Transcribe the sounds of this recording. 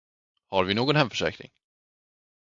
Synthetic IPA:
haɾvɪnoːɡɔnhɛmfœ̥ʂɛ̰ːkɾɪ̰ŋ

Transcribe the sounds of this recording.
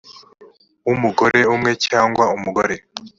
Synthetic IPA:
umuɡo̞ɾe̞umŋe̞caːŋɡwaumuɡoɾe̞

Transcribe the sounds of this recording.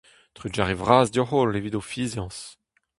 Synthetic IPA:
t̪χyd͡ʒaʁevʁaːzdɔχolevid̪ofiːzjɑ̃s

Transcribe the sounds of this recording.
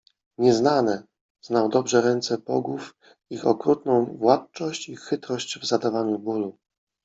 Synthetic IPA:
ɲɛznanɛ | znawd̪ɔbʐɛɾɛnt̪sɛpɔɡuf | ixɔkɾut̪nɔ̃w̃vwat̪t͡ʂɔɕt͡ɕixɘt̪ɾɔɕt͡ɕvzad̪avaɲubulu

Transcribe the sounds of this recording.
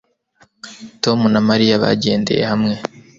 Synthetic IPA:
to̞munamaɾijaβa̰ɟe̞ːnde̞̰je̞̰hamŋe̞

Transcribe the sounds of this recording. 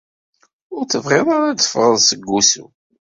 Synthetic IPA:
ʊɾθəvʁɪðˤaɾad̪ə̥fʁəðˤsəɡːusṵ

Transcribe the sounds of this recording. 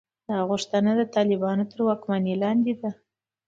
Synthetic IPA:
d̪ɑɣuʂt̪ənad̪ət̪ɑlɪbɑnot̪əɾwɑkmanilɑnd̪ed̪a

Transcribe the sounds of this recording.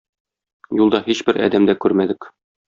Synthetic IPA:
julˠd̪ɑhiɕbɘɾæ̰d̪æmd̪ækʉɾmæd̪ɘk

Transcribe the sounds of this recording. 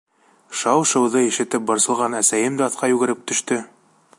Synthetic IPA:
ʃɑwʃɤ̆wðɤiʃɘ̆t̪ɘp̚bɤ̆ɾsɤ̆lˠʁɑnæsæjɘmd̪æɑθqɑjʉɡɘ̆ɾɘp̚t̪ɵ̆ʃt̪ɵ

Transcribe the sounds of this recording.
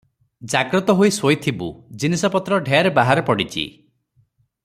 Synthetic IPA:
d͡ʒaɡɾɔt̪ɔɦojsojt̪ʰibṵd͡ʒinisɔpɔt̪ɾɔɖʱejaɾebaɦaɾɔpɔɽit͡ʃʰḭ

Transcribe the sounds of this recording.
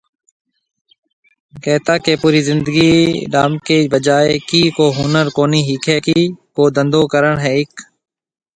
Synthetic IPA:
kɛːt̪aːkeːpuːɾiːzɪnd̪əɡiːɗaːmkeːbəd͡ʒaːekiːkoːɦuːnəɾkoːniːɦiːkʰɛːkiːkoːd̪ənd̪oːkəɾəɳɦɛːɪk

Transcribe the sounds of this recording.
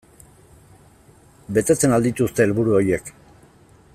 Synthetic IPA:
be̞t̪e̞t͡se̞nald̪it̪ust̪e̞ːlβuɾuo̞ɾjie̞k

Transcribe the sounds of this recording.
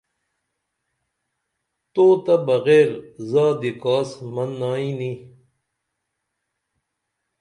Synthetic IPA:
t̪oːt̪ɐbɐɣeːɾzaːd̪ikaːsmɐnːaːĩni

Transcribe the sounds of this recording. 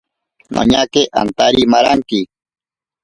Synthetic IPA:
nʔa̰ɲakeʔa̰nt̪aɾimaɾaŋki

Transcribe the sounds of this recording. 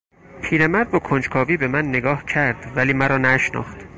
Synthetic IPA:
pʰiːɾemæɾd̪vokʰond͡ʒkʰɒːviːbe̞mænːeɡɒːhcʰæɾd̪̥væliːmæɾɒːnæʃnɒ̰ːχt̪

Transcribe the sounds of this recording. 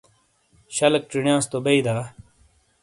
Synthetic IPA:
ɕɐlk̚ʈ͡ʂiɳjãːst̪obɐid̪aː

